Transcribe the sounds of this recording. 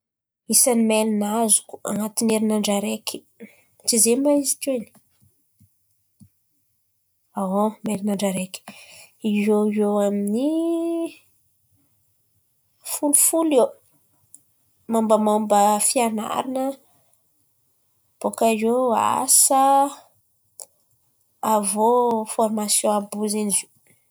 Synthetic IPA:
isanimelinazuku̥a̰nat̪ineɾinaɳɖ͡ʐaɾekʲi̥ | t͡sizemaizi̥koini̥ | awomelinaɳɖ͡ʐaɾeki̥ioewamini | fulufule | mambəmambəfiana̰ɾinə | b̥okazea̰sə | avofɔrmasjɔ̃abuzinizi

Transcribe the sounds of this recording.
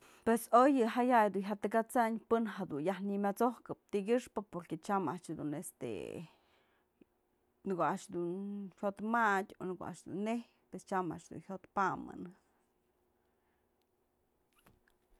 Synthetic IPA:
pwesojɨɦajajd̪unɦʲat̪ɨkat͡saɲpɨnhad̪unjahnimʲat͡sohkɨp̚t̪iɡʲɨʂpɨpoɾket͡ʃamaʔt͡ʃd̪ṵnest̪ḛ | nɨkoaʔʂd̪unhot̪mad̪ʲo̰nɨko̰ʔa̰ʔʂd̪ṵnːeh | pwest͡ʃama̰ʔt͡ʃd̪ṵnhʲjot̪pamɨ̰nɨ

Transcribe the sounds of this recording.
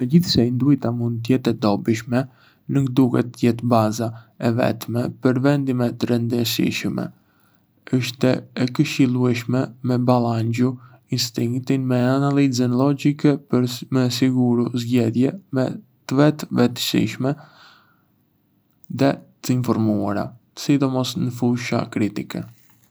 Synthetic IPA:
məd͡ʑiθsɛind̪ujt̪amund̪̚t̪ːjɛt̪ɛd̪ɔbiʃmɛ | nukd̪ukɛt̪ːjɛt̪bazaɛvɛ̰t̪mɛpəɾvɛnd̪imɛt̪əɾɛnd̪əsḭʃmɛ̰ | əʃt̪ɛɛkəʃilˠuɛʃmɛmɛbalˠand͡ʑu | inst̪iŋkt̪inmɛanalizənlɔd͡ʒikɛpəɾmɛsiɡuɾuzɟɛðjɛmɛ̰ | t̪əvɛt̪vɛt̪ə̥sḭʃmɛ | ðɛt̪əinfɔɾmuaɾa̰ | sid̪ɔmɔsnəfuʃa̰kɾit̪ikɛ̰

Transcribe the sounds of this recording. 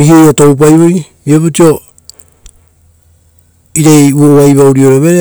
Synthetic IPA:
ihijotowp̬ajβoɾi | ieputio̞ | iɾejuɾoβajβawɾioɾeβeɾe

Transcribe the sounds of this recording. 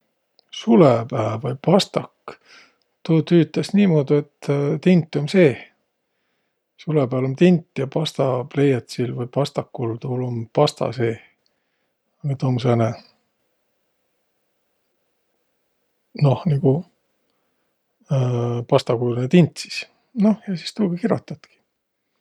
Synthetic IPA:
sulepæːvɑjpɑst̪ɑkː | t̪oːt̪yːt̪ːˑesniːmoːd̪̥ue̞t̪ːt̪int̪ːˑo̞mse̞ː | sulepæːlomt̪int̪ːˑjɑpɑst̪ɑplejɑt̪silvɯjpɑst̪ɑkːult̪ulompɑst̪ɑ̰se̞ː | net̪oms̬ene | no̞hniɡu | pɑst̪ɑkujlunet̪int̪si̥s | no̞hjɑsi̥st̪uːɡ̥ɑkiɾo̰t̪ːˑɑt̪ki̥

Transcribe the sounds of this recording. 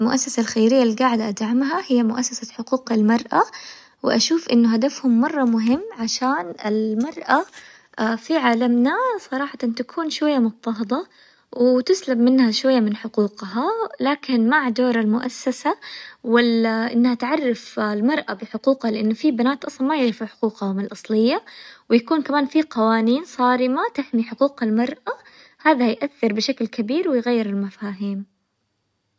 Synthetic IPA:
lmʊʔasːasalxajɾɪjːalːiɡaːʕɪd̪ʔad̪ʕamɦahɪjːamʊʔasːasaħʊquːqalmɑɾˤʔa | wɪ̰ʔaʃuːfʔɪnːʊɦad̪afhʊmːɑrˤːɑmʊɦɪmːʕaʃaːnɪ̰lmɑɾˤʔa | fiʕaːlamnasˤɑɾˤɑːħɑt̪ɑnt̪akʰuːnʃwajːamʊt̪ˤːɑɦd̪ˤɑ | wɪt̪ɪslabmɪnhaʃwajːamɪnħʊquːqɦalaːkɪnmaʕd̪oːɾˤalmʊʔasːasawalːaʔɪnːhat̪ʕɑrˤːɑflmɑɾˤʔabɪħʊquːqhalɪʔanːfibanaːt̪ʔɑsˤlɑmajɪʕɾfuħʊ̥quːqhamalʔɑsˤlɪjːawjakuːnkamaːnfiqɑwaːniːnsˤɑːɾɪmat̪ɪħmiħʊquːqalmɑɾˤʔa | haːðajʔaθːɪɾbɪʃaklkabiːɾwɪjɣajːɪɾɪlmafaːɦiːm

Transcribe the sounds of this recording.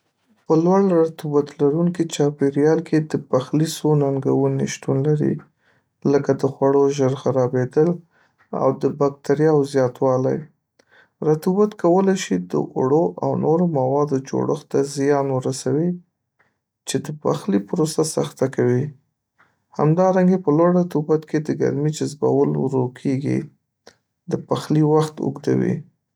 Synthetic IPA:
pəlwaɽɾat̪ubat̪laɾuŋkit͡ʃɑpeɾijɑlkʰed̪əpaxlisonaŋɡawəniʃt̪unlaɾḭ | ləkad̪əxwaɽoʒəɾxaɾɑbed̪əl | a̰wd̪əbak̚t̪aɾjɑwzjɑt̪wɑla̰j | ɾat̪ubat̪kawəlajʃid̪ə̰ʔʊ̰ɽoʔa̰wnoɾomawɑd̪od͡ʒo̰ɽəxt̪azjɑnwəɾasawi | t͡ʃed̪əpaxlipʊɾosasaxt̪akawi | ha̰md̪ɑɾaŋɡepəlwaɽat̪ubat̪ked̪əɡa̰ɾmid͡ʒazba̰wəlwɾokʰeɡḭ | d̪əpaxliwaxt̪ʊ̰ɡd̪a̰wḭ

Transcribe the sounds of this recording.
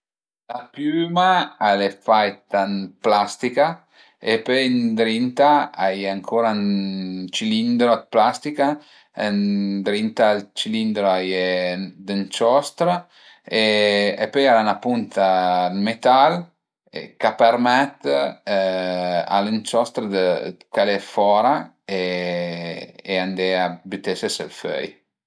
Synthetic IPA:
lapjymaalefajt̪anplast̪ika | ḛpøjnd̪ɾint̪aajaŋkʰoːɾant͡ʃilind̪ɾoat̪̚plast̪ika | nd̪ɾint̪alt͡ʃilind̪ɾoaj | d̪ənt͡ʃɔst̪ɾa | eepøjaɾanapunt̪almet̪al | ḛkapəɾmɛt̪ | a̰lənt͡ʃɔst̪ɾəd̪əkalefɔɾa | e | eand̪eabyt̪esəsə̰lfœ̰j

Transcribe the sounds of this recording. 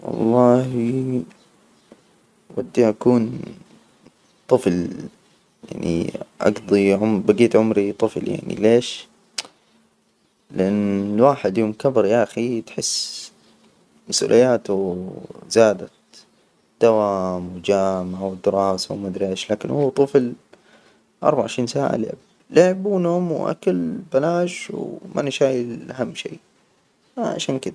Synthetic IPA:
wɑ̰lˤːɑːhi | wad̪ːiʔakuːn | t̪ˤɨfl | ja̰ʕnḭʔa̰ɡd̪ˤiʕʊmbaɡiːt̪ʕʊmɾit̪ˤɨflja̰ʕnḭleːʃ | lɪʔanːlwaːħɪd̪joːmkabɾjaʔaxit̪ħɪsː | masʔṵːlʔɪjːaːt̪ʊ | z̥aːd̪at̪ | d̪̥awaːmwɪd͡ʒaːmʕawɪd̪ɪɾɑːsawmʊd̪ɾɪʃlaːkɪnhuːt̪ˤɨfl | ʔɑ̰ɾˤbaʕɪʃɾiːnsaːʕa̰lɪ̰ʕɪb̚ | lɪʕbuːnhʊmwʔa̰kalbalaːʃwmʔa̰nɪʃaːjɪlʔaɦamːʃḛː | ʕa̰ʃaːnkɪd̪a

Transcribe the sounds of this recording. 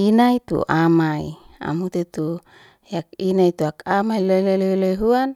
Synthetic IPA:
inait̪ṵʔamaḭa̰mut̪et̪u | jak̚inait̪uakamailojlolojlojɦuan

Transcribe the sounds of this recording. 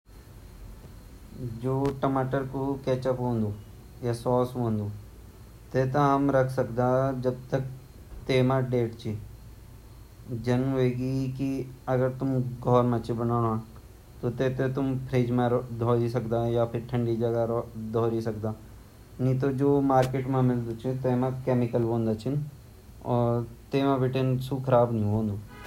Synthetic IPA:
d͡ʒoːʈɐmaːʈəɾkokɛːt͡ʃəpɦõːnd̪uː | jasɔːsɦõːnd̪uː | t̪eːt̪aɦɐmɾɐkʰsɐkd̪aːd͡ʒɐb̚t̪ək̚ | t̪eːmãɖeːʈt͡ʃi | d͡ʒɐnɦeɡikiɐɡəɾt̪ʊmɡʱɔːɾmãt͡ʃibɐnaːɦã | t̪ot̪eːt̪et̪ʊmpʰɾeːd͡ʒmẽd̪ʱɔːɾisɐkd̪ajapʰɪɾʈʰə̃ɳɖid͡ʒɐɡaɾd̪ʱoːɾisɐkd̪aː | nĩt̪od͡ʒoːmaːɾkeːʈmẽmɪld̪ut͡ʃʰit̪eːmãkeːmɪkəlbõːnd̪at͡ʃʰin | ɔːɾt̪eːmãbɪʈensukʰɐɾaːbnĩɦõːnd̪u

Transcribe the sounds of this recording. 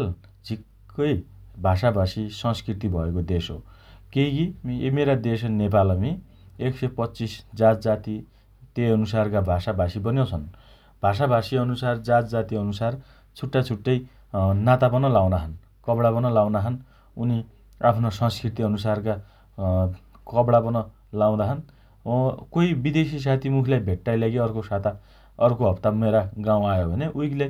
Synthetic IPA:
l | d͡zʱikː | ʌjbʱasabʱasisʌ̃ŋskrit̪ibʱʌekod̪esɦokekiḛmeɾad̪esnep̬alʌmi | eksepʌtːt͡sisd͡zatd͡zat̪i | t̪eʌnusarkabʱasabʱasibʌnjeot͡sʰʌn | bʱas̬abʱasiʌnusard͡zatd͡zat̪iʌnusar | t͡sʰuʈːat͡sʰuʈːʌj | nat̪apʌnʌlaw̃naɦʌn | kʌbɽapʌnʌlaw̃naɦʌn | uni | apʰnosʌ̃ŋskrit̪iʌnusarka | kʌbɽapʌnʌ | law̃d̪aɦʌn | koibid̪esis̬at̪ʰimukʰilajbʱeʈːajlaɡiʌrkosat̪a | ʌrkoɦʌpt̪ameɾaɡaw̃ajobʱʌneʔujkle

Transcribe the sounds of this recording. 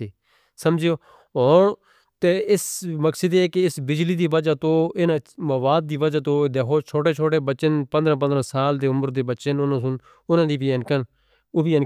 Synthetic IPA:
iː | səmd͡ʒeoː | ɦoːn | t̪eːɪsməksəd̪eːkeɪsbɪd͡ʒliːd̪iːʋəd͡ʒaːt̪õːɪnãːməʋaːd̪̚ːiːʋəd͡ʒaːt̪õːd̪eːkʰoːt͡ʃʰoːʈeːt͡ʃʰoːʈeːbəːʃənpənd̪ɾãːp̬ənd̪ɾãːsaːld̪eːʊməɾd̪eːbəːʃənʊnãːsʊn | ʊnãːd̪iːbiːɛnkən | oːbiːɛn

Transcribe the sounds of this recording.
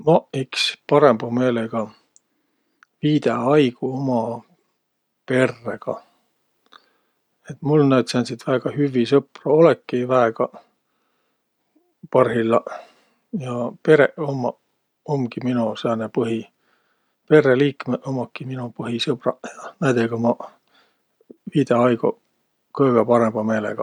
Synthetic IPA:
mɑikspɑɾe̞mb̥ɑme̞ːleɡ̥ɑ | viːd̪̥eɑjɡ̥uomɑ | pe̞rːeɡ̥ɑ̰ | et̪mulnæːt̪sɑnʲsit̪væːɡ̥ɑhyvːisɤprɑolekːivæeɡ̥ɑ | pɑrhilːɑ | jɑpe̞ɾeʔomːɑ | omkiminuseɑnepɤɦi | pe̞rːeliːkmeʔomɑkːiminupɤɦisɤb̥rɑ̰jɑnæjd̪eɡ̥omɑ | viːd̪eɑjɡu | kɤɡ̥epɑɾemb̥ɑme̞ːlḛɡ̥ɑ

